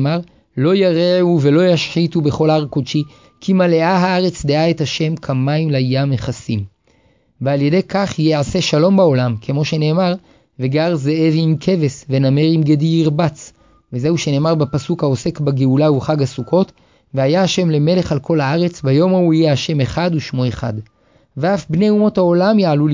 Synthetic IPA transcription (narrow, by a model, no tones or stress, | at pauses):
maʁ | lo̞jaʁeuvelo̞jaʃħitube̞χo̞laʁkodʃi | kʰimale̞aɦaaʁe̞t͡sdeaethaʃe̞mkʰamaimlajjameχasim | vealje̞de̞jkaχjeʕase̞ʃalo̞mbao̞lamkʰe̞mo̞ʃe̞ne̞ːmaʁ | ve̞ɡaʁzeevimkʰe̞ve̞sve̞name̞ʁimɡed̪iiʁbat͡s | veze̞huʃe̞ne̞ːmaʁbepasukhao̞se̞kbaɡeulauχaɡasukʰo̞t | veajaaʃe̞mle̞me̞le̞χalkʰo̞laaʁe̞t͡sbajo̞mauijeaʃe̞me̞χaduʃmo̞eχa̰d | veafbne̞umo̞thao̞lamjaʕalul